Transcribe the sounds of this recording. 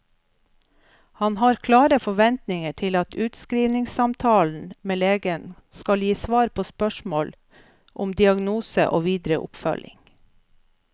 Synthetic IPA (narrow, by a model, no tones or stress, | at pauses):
hɑnhɑːɾkʰlɑːɾəfɔʋɛnt̪nɪŋəʈʰɪlɑt̪ʰʉːt̪skɾiːʋnɪŋsɑmt̪ʰɑːln̩meːleːɡənskɑljiːsʋɑːɾpʰoːspœʃmoːl | ʔʊmd̪ɪɑɡnuːsə̰ʔo̰ːʋiːd̪ɾə̰ʔʊ̰pfœ̰lʔɪ̰ŋ